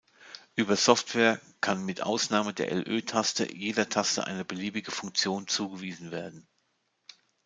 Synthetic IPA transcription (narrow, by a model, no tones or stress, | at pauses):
ʔyːbɐzɔftv̥ɛːɐ | kʰanmɪtʔa̰ʊsnaːmədḛːɐʔɛ̰lʔø̰ːtʰastə̰jeːdɐtʰastə̰ʔa̰ɪnəbəliːbɪɡəfʊŋk̚t͡sjoːnt͡suːɡəviːzn̩veːɐdn̩